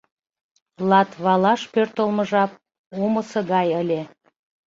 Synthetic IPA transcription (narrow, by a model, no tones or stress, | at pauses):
lɑt̪βɑlɑʃpørt̪əlməʒɑp̚ | oməsɤ̆ɣɑjəlʲe